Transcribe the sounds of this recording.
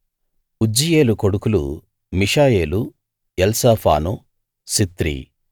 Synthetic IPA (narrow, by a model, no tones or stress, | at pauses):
ud͡ʒije̞ːlukoɽukulṵ | miʂaːjeːlu | jelsaːpʰa̰ːnu | sit̪ɾḭ